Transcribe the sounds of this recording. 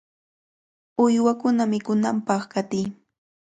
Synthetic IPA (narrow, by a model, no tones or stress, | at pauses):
ʊjwakʊnamɪkʊnampɑχkat̪ɪj